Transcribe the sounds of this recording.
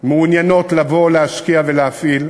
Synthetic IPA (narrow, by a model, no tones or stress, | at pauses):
meunjano̞tlavo̞leaʃkiavelehafil